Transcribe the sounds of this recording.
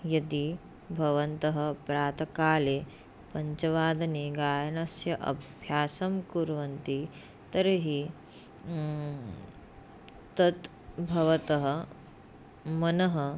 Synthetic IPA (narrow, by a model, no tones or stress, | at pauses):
jɐt̪i | bʱɐʋɐnt̪ɐɦɐ̆pɾaːt̪ɐkaːleː | pɐɲt͡ʃɐʋaːd̪ɐneːɡaːjɐnɐsjɐʔɐ̰bʱjaːsɐmkuːɾʋɐnt̪i | t̪ɐɾɐɦi | t̪ɐt̪ | bʱɐʋɐt̪ɐɦɐ̆ | mɐnɐɦɐ